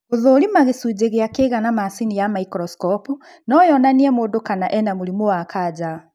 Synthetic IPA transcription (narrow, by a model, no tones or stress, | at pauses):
oðoɾimaɣesud͡ʑeɣeakeɣanamasinijamaikɾɔskɔpu | nɔjɔnaniɛmoːndokanaʔɛnamuɾimowakad͡ʑa